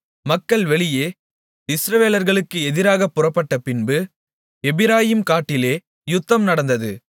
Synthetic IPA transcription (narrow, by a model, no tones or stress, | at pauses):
mɐkːɐɭʋɛɭɪjeː | ɪsɾɐʋeːlɐɾɣɐɭɯkːɯɛðɪɾaːɣɐpːʊrɐpːɐʈːɐpɪnbɯ | ɛbɪɾaːjimkaːʈːɪleː | jʊt̪ːɐmnɐɽɐnd̪ɐðɯ